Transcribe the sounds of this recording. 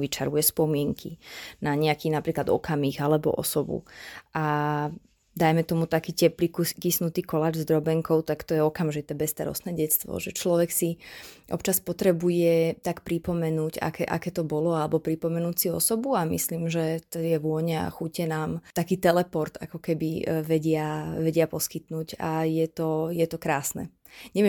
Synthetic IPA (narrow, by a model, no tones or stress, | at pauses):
ʋit͡ʃaɾujɛspɔmɪɛŋkʰḭnaɲɛakiːnapɾiːklad̪ɔ̰kamiɣalɛbɔ̰ʔɔ̰sɔbṵʔa | d̪ajmɛt̪ɔmut̪akiːcɛplikukisnut̪iːkɔlaːd͡ʒzd̪ɾɔbɛŋkɔʊt̪akt̪ɔjɛɔkamʒit̪ɛːbɛst̪a̰ɾɔ̰st̪nɛːɟɛt̪t͡st̪ʋɔ̰ʒɛt͡ʃlɔʋɛksiʔɔ̰pt͡ʃaspɔt̪ɾɛbujɛt̪akpɾipɔmɛnuːɟa̰kɛʔa̰kɛːt̪ɔbɔlɔalɛbɔpɾipɔmɛnuːcsiɔ̰sɔbuamḭsliːmʒɛt̪ɔjɛʋʊɔɲɛa̰xucɛnaːmt̪akiːt̪ɛlɛpɔɾt̪a̰kɔkɛbiʋɛɟɪaʋɛɟɪapɔskit̪nuːɟa̰jɛt̪ɔjɛt̪ɔkɾaːsnɛ̰ | ɲɛʋɛ